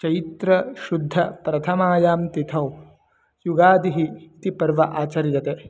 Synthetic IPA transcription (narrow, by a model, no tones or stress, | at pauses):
t͡ʃɐjit̪ɾɐʃud̪ʱːɐpɾɐt̪ʰɐmaːjaːmt̪it̪ʰɐw | juɡaːd̪iɦiːt̪ipɐɾʋɐʔaːt͡ʃɐɾjɐt̪e